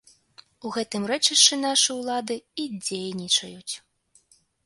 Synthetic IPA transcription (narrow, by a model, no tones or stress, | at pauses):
uɣɛt̪ɨmrɛt͡ʂiʂt͡ʂɨnaʂɨwlˠad̪ɨid͡zʲejnʲit͡ʂɐjut͡sʲ